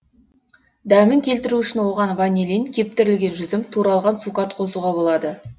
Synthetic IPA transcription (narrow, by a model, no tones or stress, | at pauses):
d̪æmɪŋkʲʰe̞lt̪ɪɾuʏʃɪnwo̞ʁɑnvɑnʲeliŋkʲʰe̞p̚t̪ɪɾɪlɡʲe̞nʒʏzɪmt̪ʰuɾɑlˠʁɑnsukɑt̪qʰo̞suʁɑbo̞lˠɑd̪ə